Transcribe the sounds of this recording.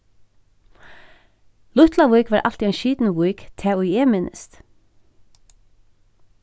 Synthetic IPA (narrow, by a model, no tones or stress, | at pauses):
lʊt̪laʋʊjkʋɑːɹʔa̰lt̪iɛɪnʃiːt̪nɪvujkt̪ʰɛːʊjɛːmɪnɪ̰st̪